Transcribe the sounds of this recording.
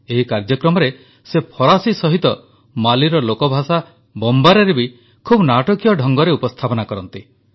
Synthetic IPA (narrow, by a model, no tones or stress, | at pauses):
eɦikaɾd͡ʒɔkɾɔmɔɾe | sepʰɔɾasisɔɦit̪ɔ | maliɾɔlokɔbʱasa | bɔmbaɾeɾebi | kʰubnaʈɔkijɔɖʱɔŋɡɔɾeupɔst̪ʰapɔnakɔɾɔnt̪i